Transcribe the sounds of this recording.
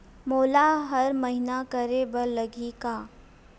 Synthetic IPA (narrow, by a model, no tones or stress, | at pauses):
moːlaɦɐɾmɐɦɪnakɐɾebɐlɐɡʱikaː